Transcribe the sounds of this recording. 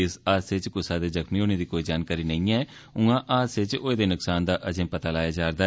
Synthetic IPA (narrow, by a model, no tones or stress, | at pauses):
ɪsaːsɪt͡ʃkʊsaːd̪eːzəkʰmiːɦoːneːd̪iːkoːiːd͡ʒaːnkaːɾiːnəĩːɛː | ʊ̃ŋãːʔaːsɪt͡ʃoːeːd̪eːnʊksaːnd̪aːʔəd͡ʒẽːpət̪aːlaːjaːd͡ʒaːɾd̪aː